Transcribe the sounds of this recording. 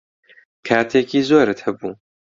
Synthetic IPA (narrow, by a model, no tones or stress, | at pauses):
kʰaːt̪ʰeːkiːzoːɾɨt̪hɐbuː